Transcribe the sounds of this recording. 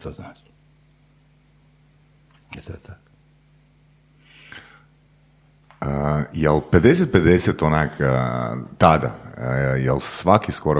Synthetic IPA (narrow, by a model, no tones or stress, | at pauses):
t̪oznaːt͡ʃi | ɛt̪ot̪ak | əjelped̪eset̪̚pe̞d̪eset̪onak | t̪ad̪a̰jelsʋakiskoɾo